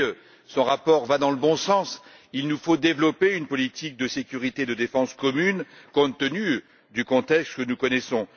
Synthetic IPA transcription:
sɔ̃ʁapɔʁvad̪ɑ̃ləbɔ̃sɑ̃s | ilnufod̪evlɔpeynpɔlit̪ʰik̚d̪əsekʲyʁit̪ed̪əd̪efɑ̃skɔmyn | kɔ̃t̪ːəny | d̪ykɔ̃t̪ɛkst̪kənukɔnɛsɔ̃

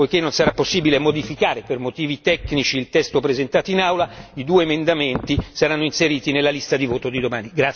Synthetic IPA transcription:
pojkenːonsaɾapːosːiːbilemod̪ifikaːɾepermot̪iːvit̪ɛkːnit͡ʃiːlt̪ɛst̪opɾezent̪aːt̪oinawlaid̪uːeːmend̪ament̪isaɾanːoinseɾiːt̪inelːalist̪ad̪ivoːt̪od̪id̪omaːniɡɾa

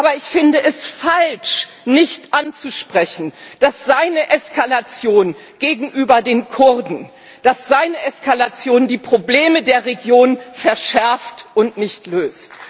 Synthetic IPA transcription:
ʔaːbɐɪçfɪndəʔɛsfalʃ | nɪçtʔant͡suʃpʁ̥ɛçn̩d̥asz̥aɪnəʔɛskalat͡sjoːn | ɡ̥eːɡŋ̩ʔyːbɐdeːnkʰʊɐdn̩ | d̥asz̥aɪnəʔɛskalat͡sjoːndiːpʁ̥obleːmədeːɐʁeɡjoːnfɛɐʃɛɐftʔʊntnɪçtløːst

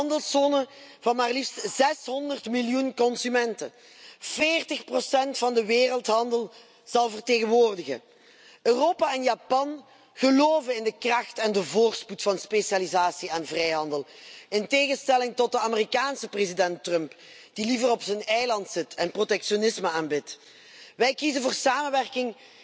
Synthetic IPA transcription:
ɑndəlˠsoːnəvɑnmaːrlifstz̥ɛsɦɔndərtmɪljunkɔnsymɛntə̰ | v̥eːrtəxprosɛntfɑndəʋeːrəlˠtɦɑndəlˠ | z̥ɑlˠvərteːɣənʋoːrdəɣə̰ | øːroːpaɛnjapɑn | ɣəloːvənɪndəkrɑxtɛndəvoːrtsputfɑnspeʃalizaːsiaːnvrɛjɦɑndəlˠɪnteːɣənstɛlɪŋtɔt̚dəaːmərikaːnsəprezidɛntrœmp | d̥ilivərɔpsənɛjlɑntsɪtʰɛnprotɛkʃonɪsməaːnbɪt | ʋɛjkizənvʊːrsaːmənʋɛrkɪŋ

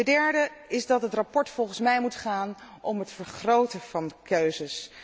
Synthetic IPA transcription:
ədɛɹdəɪzdɑtɦətrapɔɹtfɔlˠχənsmɛjmutχaːn | ɔmɦətfəɹχrowtəv̥ɑndəkøɥzəs

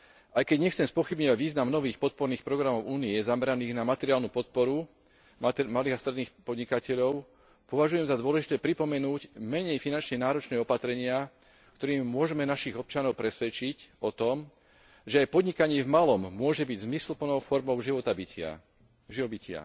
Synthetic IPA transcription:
ʔajkɛɟɲɛxt͡sɛmspɔxibɲɔʋaɟʋiːznamnɔʋiːxpɔt̪̚pɔɾniːxpɾɔɡɾamɔʊʔuːniɛzamɛɾaniːɣnamat̪ɛɾɪaːlnuːpɔt̪̚pɔɾu | maliːɣast̪ɾɛd̪niːxpɔd̪ɲikacɛʎɔʊ | pɔʋaʒujɛmzad̪ʊɔlɛʒit̪ɛːpɾipɔmɛnuːɟmɛɲɛjfinant͡ʃɲɛnaːɾɔt͡ʃnɛːɔpat̪ɾɛɲɪa | kt̪ɔɾiːmmʊɔʒɛmɛnaʃiɣɔp̚t͡ʃanɔʊpɾɛsʋɛt͡ʃicɔt̪ɔm | ʒɛajpɔd̪ɲikaɲɪɛvmalɔmːʊɔʒɛbiɟzmislpl̩nɔʊfɔɾmɔʊʒiʋɔt̪abicɪa̰ | ʒiɔbicʰɪa̰

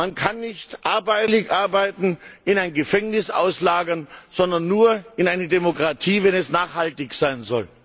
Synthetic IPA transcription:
mankʰanːɪçtʔaɐbaɪlɪçʔaɐbaɪtn̩ʔɪnaɪnɡəfɛŋnɪsʔa̰ʊslaːɡɐnz̥ɔndɐnːuːɐɪnʔaɪnədɛmokʁ̥atʰiːvɛnɛsnaːχhaltɪçz̥aɪnzɔ̰l

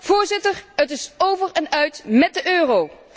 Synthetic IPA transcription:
v̥ʊːɹzɪtəɹətɪsowvərɛnœɥtmɛt̚dəʔøːrow

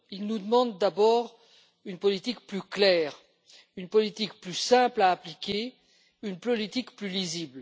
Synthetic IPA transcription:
ilnud̪əmɑ̃d̪ːabɔːʁ | ynpɔlit̪ikplyklɛːʁ | ynpɔlit̪ikplysɛ̃plaːplikʲe | ynpɔlit̪ikplylizibl

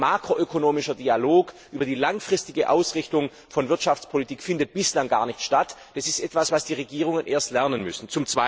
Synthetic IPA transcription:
maːkʁ̥oʔøkʰonoːmɪʃɐdialoːkʔyːbɐdiːlaŋfʁ̥ɪstɪɡəʔaʊsʁɪçtʊŋ | fɔnvɪɐtʃaft͡spʰolitʰiːkfɪndət̚b̥ɪslaŋɡaːɐnɪçtʃtatd̥asɪstʔɛtv̥asv̥asd̥iːʁeɡiːʁ̞ʊŋənʔeːɐstlɛɐnənmʏsn̩t͡sʊmt͡sv̥a

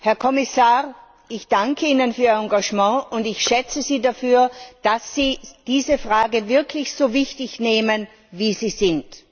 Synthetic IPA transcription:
hɛɐkʰɔmɪsaːʁ | ʔɪçd̥aŋkʰəiːnənfyːɐɑ̃ŋɡaʃmɑ̃ːʔʊndɪçʃɛt͡səziːdafyːɐd̥asːiːd̥iːzəfʁaːɡəvɪɐkʰlɪçsoːvɪçtɪçneːmən | viːziːzɪnt

